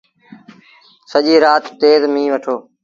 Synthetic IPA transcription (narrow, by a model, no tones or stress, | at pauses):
səʄiːɾaːt̪ːeːzmĩːʋəʈʰoː